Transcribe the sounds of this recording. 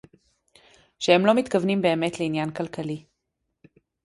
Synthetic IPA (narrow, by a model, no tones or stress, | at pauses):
ʃehe̞mlo̞mit̪kavnimbe̞ːmet̪leinjankalkʰali